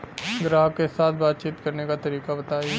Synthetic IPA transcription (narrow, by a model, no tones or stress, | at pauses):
ɡɾaːɦkesaːt̪ʰbaːt̪̚t͡ʃiːt̪kɐɾnekat̪ɐɾiːkabɐt̪aːie